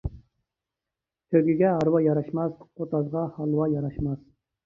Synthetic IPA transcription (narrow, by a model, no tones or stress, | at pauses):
t̪ʰøɡʲiɡʲɛɑɾwɑjɑɾɑʃmɑsqʰot̪ɑzʁɑhɑlˠwɑjɑɾɑʃmɑz